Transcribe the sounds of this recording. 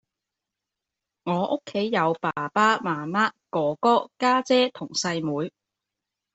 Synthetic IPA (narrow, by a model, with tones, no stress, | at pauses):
ŋɔː˨˧ʔʊ˥kʰːe˨˥jːɐ˨˧wpaː˨˩paː˥maː˨˩maː˥kɔː˨˥kɔː˥kaː˥t͡sɛː˥t̪ʰʊ˨˩ŋsɐ˧jmuː˨˧j